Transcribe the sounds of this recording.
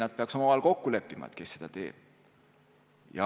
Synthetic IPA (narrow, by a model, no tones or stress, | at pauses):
nɑd̪t̪̚peɑkso̞mɑvɑlko̞kːule̞pːˑimɑ̰ḛt̪̚ke̞sːe̞̥d̪ɑt̪e̞̰ːb̥̚ | jɑ̰